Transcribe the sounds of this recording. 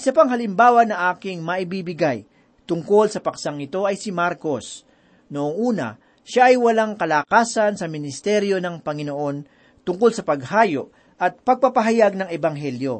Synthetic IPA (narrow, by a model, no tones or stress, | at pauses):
ʔɪsɐpaŋɦɐlɪmbaːwɐnɐʔaːkɪŋmɐʔɪbiːbɪɡaj | t̪ʊŋko̞lsɐpɐksaŋɪt̪o̞ɐjsɪmaɾko̞s | noʔoŋʔuːnɐ̰ | ʃaʔɐjwɐlaŋkɐlakaːsɐnsɐmɪnɪst̪ɛɾjo̞nɐŋpɐŋɪnoʔo̞n | t̪ʊŋkolsɐpɐɡ̚haːjo̰ʔ | ʔɐt̪̚pɐɡ̚pɐpɐɦɐjaɡ̚nɐŋɛbɐŋɦɛljo